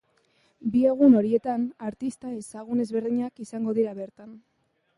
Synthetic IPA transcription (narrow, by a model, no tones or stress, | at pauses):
bie̞ɣ̞uno̞ɾie̞t̪anaɾt̪ist̪ae̞saɣ̞une̞zβe̞ɾðiɲakisaŋɡo̞ðiɾaβe̞ɾt̪an